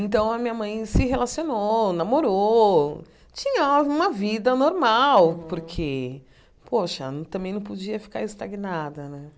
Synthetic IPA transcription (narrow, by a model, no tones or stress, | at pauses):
ẽnt̪ɐ̃w̃ɐmĩɲɐmɐ̃j̃sɪɦelasiononamoɾo | t͡ʃĩɲɐũmɐvid̪ɐnoɾmawpoɾkʰe | pʰoʃɐ̰ñt̪ɐ̃mbẽj̃nɐ̃w̃pod͡ʒiɐfi̥ka̰ɾɪst̪aɡinad̪ɐnɛ̃